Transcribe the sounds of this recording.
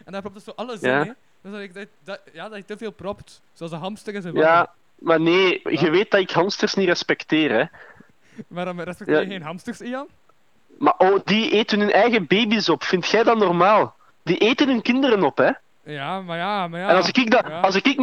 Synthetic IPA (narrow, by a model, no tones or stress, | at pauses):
ɛndapɾɔp̚tsoːʔɑləjaː | dɪk̚d | jaːdɑtɪtəveːlˠprɔpt | sˠsɦɑmstəɣəsjaː | maneːɣəʋeːt̚dɑɪkɦɑmstərsnirɛspɛkteːrɛ | madɛsjanɦɑmstəsiɑ | maʔoːdiʔeːtənɦɵnʔɛjɣəbeːbisɔpfɪntxɛjdɑnɔrmaːlˠ | d̥iʔeːtənɦɵnkɪndəɾənɔpɛ | jamajamjɛnɑlˠsɪkɪkdɑɑlˠsɪkɪk